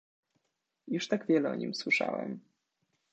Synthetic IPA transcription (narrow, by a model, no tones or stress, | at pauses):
juʂt̪aɡvʲjɛlɛɔɲimswɘʂa̰wɛ̰m